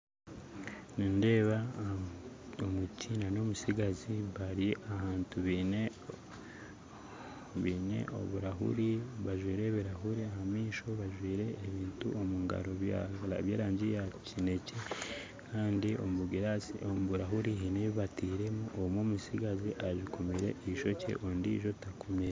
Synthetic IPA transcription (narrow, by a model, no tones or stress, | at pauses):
ninde̞ːβa | omucʰinano̞musiɡaziβaɾiaɦaːntuβine | βiːnḛʔo̰βuɾaɦṵɾiβaʒwiːɾe̞βiɾaɦuɾiaɦamiːʃo̞βaʒwiːɾe̞ːβiːntuomuŋɡa̰ɾo̞βjaaβjaːɾaːɲɟijacine̞ce̞ | kʰaːndio̰mβuɡiɾaomuβuɾaɦuɾiɦineβiβatiːɾe̞muʔomomusiɡaziʔaʒikomiɾe̞̰ʔiʃo̞ce̞̰ʔondḭʒo̞takomɲeɾe